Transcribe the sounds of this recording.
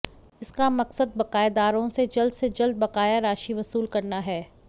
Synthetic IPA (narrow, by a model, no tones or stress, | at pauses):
ɪskamɐqsəd̪̚bɐqaːɪed̪aːɾõsed͡ʒɐld̪sed͡ʒɐld̪̚bɐqaːjaɾaːʃiʋɐsuːlkɐɾnaɦɛː